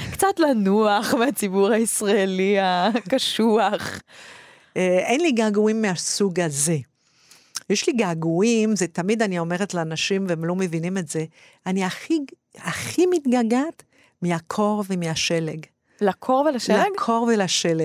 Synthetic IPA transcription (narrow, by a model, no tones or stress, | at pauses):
kt͡satlanuaχmeat͡sibuʁhaisʁaeliakkaʃuaχ | eenliɡaːɡuimːeasuɡaze̞ | jeʃliɡaːɡuimzetamidanio̞me̞ʁetlaːnaʃimveemlo̞me̞vinime̞tze̞ | aniaχi | aχimit̪ɡaɡat | miakʰo̞ʁvemiaʃeleɡ | lakʰoʁvelaʃelaɡkʰo̞ʁvelaʃele